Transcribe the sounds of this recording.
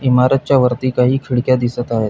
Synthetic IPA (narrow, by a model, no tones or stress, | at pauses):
imaɾət̪̚t͡ɕjaʋəɾt̪iːkaɦiːkʰiɽkjad̪isət̪aɦet̪